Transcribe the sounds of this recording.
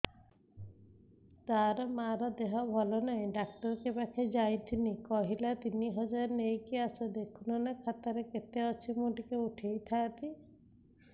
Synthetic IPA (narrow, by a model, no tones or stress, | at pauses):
t̪aɾɔmaɾɔd̪eɦɔbʱɔlɔnaĩɖakʈɔɾkebakʰed͡ʒajt̪ʰinikɔɦilat̪iniɦɔd͡ʒɔɾnejkiasɔd̪ekʰunɔnakʰat̪aɾeket̪eɔt͡ʃʰimuʈikeuʈʰejt̪ʰat̪ʰi